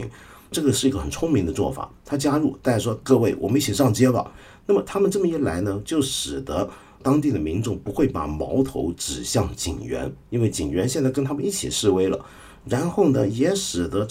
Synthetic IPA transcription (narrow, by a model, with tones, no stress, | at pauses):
ḭ˧˥ŋ | ʈ͡ʂɤ˥˩ɡə˩ʂɻ̩˥˩i˧˥ɡə˧˩xə˨˩nt͡sʰʊ˥ŋmi˧˥ŋd̪ə˧t͡swɔ̰˥˩fa̰˨˩˦t̪ʰa˥t͡ɕja˥ɻu˥˩t̪a˥˩ɪʂwɔ˥kɤ˥˧we˥˩ɪwʔɔ˨˩mə˦ni˥˩t͡ɕʰi˨˩ʂɑ˥˩ŋt͡ɕjɛ˥bə̰˨˩ | na˥˩mə˩t̪ʰa˥mə˨nʈ͡ʂɤ˥˩mə˩i˥˩la˧˥ɪnə˧t͡ɕjo˥˩ʊʂɻ̩˨˩d̪ə˦ | t̪ɑ˥ŋt̪i˥˩d̪ə˩mi˧˥nʈ͡ʂʊ˥˩ŋpu˧˥xwe˥˩ɪpa̰˨˩mɑ˧˥ʊt̪ʰo̰˧˥ʊʈ͡ʂɻ̩˨˩ɕjɑ˥˩ŋt͡ɕḭ˨˩ŋɥɛ̰˧˥ni˥nwe˥˩ɪt͡ɕḭ˨˩ŋɥɛ˧˥nɕjɛ˥˧nt͡sa˥˩ɪkə˥nt̪ʰa˥mə˨ni˥˩t͡ɕʰḭ˨˩ʂɻ̩˥˩we˥ɪlə̰˨ | ɻa˧˥nxo˥˩ʊnə˩jɛ˧˥ʂɻ̩˨˩d̪ə˧˦